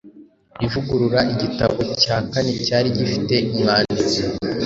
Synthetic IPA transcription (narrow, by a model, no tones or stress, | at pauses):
ivuɡuɾuɾaiɟitaβo̞caːkanicaːɾiɟifite̞umŋaːndit͡se